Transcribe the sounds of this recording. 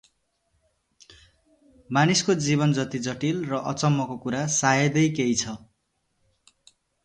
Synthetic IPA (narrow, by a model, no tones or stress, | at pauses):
maniskod͡zibʌnd͡zʌt̪id͡zʌʈilrʌʔʌ̰t͡sʌmːʌkokuɾasajʌd̪ʌjkejt͡sʰʌ